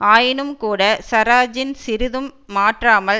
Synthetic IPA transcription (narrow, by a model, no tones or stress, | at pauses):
aːjɪnɯmkuːɽɐsɐɾaːd͡ʒɪnsɪɾɯðɯmːaːʈraːmɐl